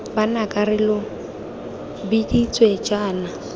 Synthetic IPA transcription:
banakʼarɪlɔ | bidit͡sʼwed͡ʒaːna

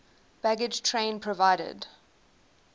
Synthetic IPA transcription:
b̥æɡɪd͡ʒtʰɹẽɪ̃npʰɹɔvaɪɾə̰d

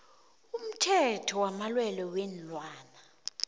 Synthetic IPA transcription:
um̩tʰɛtʰɔwamalwɛlɔwɛnlwaːna

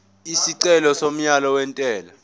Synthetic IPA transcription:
isiǀɛlɔsom̩ɲalɔwɛntʼɛːla

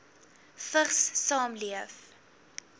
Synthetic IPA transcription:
fəχsːɑːmliəf

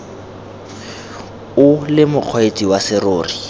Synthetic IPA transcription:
ʊlɪmʊq͡χʰɔet͡sʼiwasɪroːri

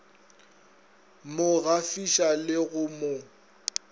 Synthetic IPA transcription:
mʊɣafiʃalɪɣʊmo

